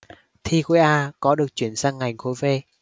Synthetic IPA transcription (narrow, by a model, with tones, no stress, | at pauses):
t̪ʰi˧xwe˨˦ʔaː˧kɔ˨˦ɗɨ˨˩ək̚t͡ɕwi˧˩ənsaː˧ŋːa˨˩jŋ̟xo˨˦jve˧